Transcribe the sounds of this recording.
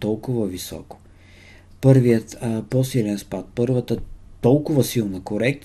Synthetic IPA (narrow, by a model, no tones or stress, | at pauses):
t̪ɔlˠkʊvəvisɔ̰kʊ̥ | pɤɾvijət̪posilɛnspat̪̚pɤɾvət̪ət̪ɔlˠkʊvəsilˠnəkoɾɛk̚t̪